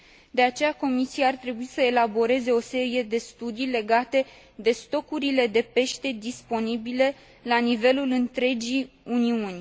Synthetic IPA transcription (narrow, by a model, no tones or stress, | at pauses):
d̪e̞at͡ʃe̞jako̞misiaːrt̪ɾe̞buisəelabo̞ɾe̞ze̞o̞se̞ɾije̞d̪e̞st̪ud̪ijle̞ɡat̪e̞ | d̪e̞st̪o̞kuɾile̞d̪e̞pe̞ʃt̪e̞d̪ispo̞nibile̞ | lanive̞lulɨnt̪ɾe̞d͡ʒi | uniunʲ